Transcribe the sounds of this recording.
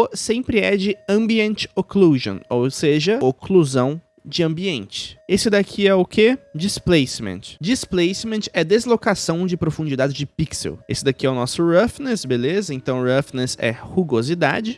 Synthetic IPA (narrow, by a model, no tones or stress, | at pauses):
ʊsẽmpɾɪɛd͡ʒɪɐ̃mbiẽnt͡ʃɪ̥okluʒõ̰owseʒɐokluzɐ̃w̃ | d͡ʒɪɐ̃mbiẽnt͡ʃɪ̥esɪd̪akʰiɛʊkʰed͡ʒisplejsmḛ̃nt͡ʃɪ̥d͡ʒisplejsmẽnt͡ʃɛd̪ezlokasɐ̃w̃d͡ʒɪpɾofũnd͡ʒid̪ad͡ʒɪd͡ʒɪpiksḛwḛsɪd̪akiɛʊnɔsʊɾɐfnɛsbelezɐẽnt̪ɐ̃w̃ɾɐfnɛsɛ̰huɡozid̪a̰d͡ʒɪ